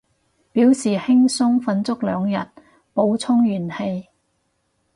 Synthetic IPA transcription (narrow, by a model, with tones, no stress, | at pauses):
piː˨˥wsiː˨˩hɪ˥ŋsʊ˥ŋfɐ˧˥nt͡sʊ˥k̚lœː˨˧ŋjɐ̰˨t̚ | po˨˧wt͡sʰʊ˥ŋjyː˨˩nhe˧j